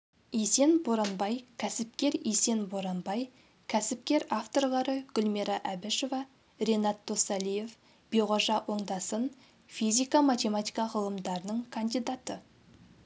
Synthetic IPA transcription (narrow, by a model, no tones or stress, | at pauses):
ese̞nboɾɑnbɑjkʲʰæsɪp̚kʲe̞ɾese̞nboɾɑnbɑj | kʲʰæsɪp̚kʲe̞ɾaft̪o̞ɾlˠɑɾəɡ̥ʲʊlmeɾɑʔæbɪʃo̞vɑ | ɾe̞nɑt̪ːosɑlije̞f | b̥iʁoʒɑwʔo̞ɴd̪ɑsən | fizʲijkamat̪ʲe̞mat̪ʲijkɑʁəlˠəmd̪ɑɾənəɴkʰand̪ijd̪at̪ə